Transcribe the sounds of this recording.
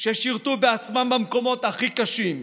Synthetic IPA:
ʃeʃiʁt̪ubeat͡smambamko̞mo̞t̪aχikaʃim

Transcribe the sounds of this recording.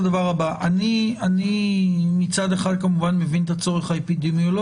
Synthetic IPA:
d̪avaʁabaʔanianimit͡sad̪e̞χad̪̚kamuvanme̞vint̪at͡so̞ʁe̞χaepid̪emio̞lo

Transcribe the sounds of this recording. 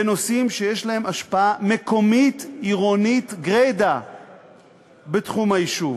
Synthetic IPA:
eno̞simʃe̞jeʃlahe̞maʃpaame̞ko̞mitiʁonit̪ɡʁed̪a | betχumajiʃuv

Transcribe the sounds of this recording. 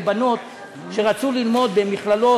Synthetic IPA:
bano̞t̪ | ʃe̞ʁat͡sulilmo̞d̪be̞miχlalo̞

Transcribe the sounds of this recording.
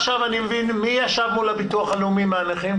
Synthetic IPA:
ʃavanimevinmijaʃavmulabituaχaleumimeaneχim

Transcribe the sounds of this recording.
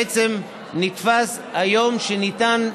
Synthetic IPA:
et͡sem | nit̪fas | hajo̞mʃenit̪an

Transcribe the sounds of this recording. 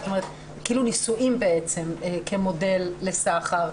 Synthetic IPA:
t̪ome̞ʁet̪ | kiiːlunisuʔimbe̞et͡semekʰe̞mo̞de̞lːe̞saχaʁ

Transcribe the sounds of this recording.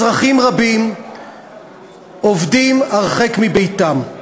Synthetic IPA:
ʁaχimʁabim | ovdimaʁχekmibejtam

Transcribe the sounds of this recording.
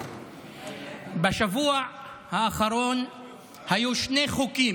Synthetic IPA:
baʃavuaʕ | haːχaɾo̞n | hajuʃne̞χukim

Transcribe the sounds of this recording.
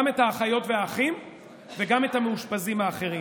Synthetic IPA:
me̞taχajo̞tve̞aːχim | veɡametameuʃpazimaːχe̞ʁi

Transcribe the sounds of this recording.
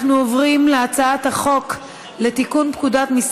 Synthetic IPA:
χnuovʁimleat͡saat̪haχo̞k | le̞tikunpkudat̪mis

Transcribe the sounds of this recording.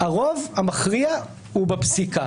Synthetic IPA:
aʁo̞vamaχʁia | hubapsika

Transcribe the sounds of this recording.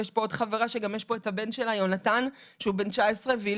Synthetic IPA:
jeʃpo̞od̥χaveʁaʃeɡamjeʃpo̞ethabe̞nʃelajonatan | ʃeube̞nt͡ʃaesʁev

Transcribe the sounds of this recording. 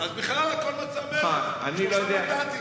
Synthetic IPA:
azbiχlalakolmat͡sameaa̰nilod̪ea

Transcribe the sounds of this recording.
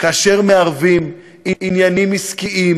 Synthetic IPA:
kaaːʃe̞ʁme̞aʁvim | iinjanimːiskiʔim

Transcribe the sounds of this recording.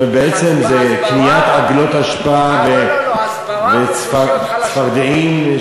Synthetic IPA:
ebeet͡semzekliat̪aɡlo̞t̪aʃpaave | vet͡sfa | t͡sfaʁd̪eim

